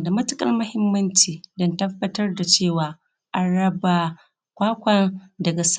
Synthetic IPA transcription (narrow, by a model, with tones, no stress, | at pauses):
da˨mɐ˦tʊ˦kʼɐ̰˦rmʊ˦hɪ˦mːɐ˦nt͡ʃiː˨dɐ˦ntɐ˦bːɐ˦tɐ˦rda˨t͡ʃeː˦˨waː˨ | ʔa˨ɽɐ˦ba˨ | kʷaː˦kʷɐ˦ndɐ˨ɡa˨s